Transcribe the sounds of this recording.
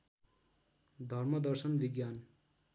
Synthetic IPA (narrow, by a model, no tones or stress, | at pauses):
d̪ʱʌrmʌd̪ʌrsʌnbiɡjan